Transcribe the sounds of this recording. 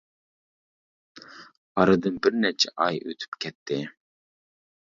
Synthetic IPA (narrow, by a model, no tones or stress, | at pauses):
ɑɾɨd̪ɨnbɪɾnɛt͡ʃʰɛʔɑjø̰t̪ʰy̥pkʲʰɛt̪ʰːɪ